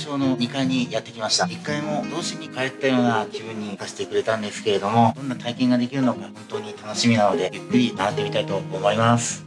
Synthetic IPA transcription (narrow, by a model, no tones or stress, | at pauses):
ɕo̞ːno̞ɲ̟ikaiɲ̟ijat̪ːe̞kʲimaɕi̥t̪aikːaimo̞d̪o̞ːɕiɲ̟ikaet̪ːajo̞ːnaʑibɯ̟̃ɲ̟ːisaɕi̥t̪e̞kɯ̟ɾe̞t̪ãnd̪e̞sɨ̥ke̞ɾe̞d̪o̞mo̞d̪õ̞nːat̪aikẽŋɡad̪e̞kʲiɾɯ̟no̞kahõ̞nt̪o̞ːɲ̟it̪ano̞ɕimʲinano̞d̪e̞jɯ̟kːɯ̟ɾʲinaat̪ːemʲit̪ait̪o̞ːmo̞imasɨ̥